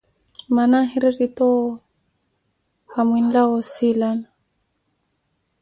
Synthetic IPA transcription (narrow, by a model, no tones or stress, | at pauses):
manaɦiɾirit̪ɔ | hamwinlaɔsilana